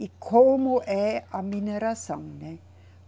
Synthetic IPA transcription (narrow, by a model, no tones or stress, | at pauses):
ikʰoːmoʔɛamineɾasã̰ŋnɛ